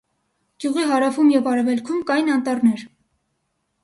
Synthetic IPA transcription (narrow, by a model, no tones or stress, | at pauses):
ɡ̥juʁiɦɑɾɑfumjɛvɑɾɛvɛlkʰumkɑjnɑnt̪ɑrnɛɾ